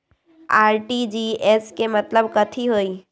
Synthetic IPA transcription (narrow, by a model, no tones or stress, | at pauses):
aːɾʈid͡ʒiːeskemɐt̪ləbkɐt̪ʰiɦoːiː